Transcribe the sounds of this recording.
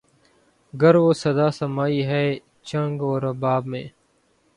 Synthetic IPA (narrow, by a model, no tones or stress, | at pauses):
ɡəɾʋoːsɐd̪aːsɐmaːiɦɛː | t͡ʃə̃ŋɡɔːɾɐbaːbmḛ̃ː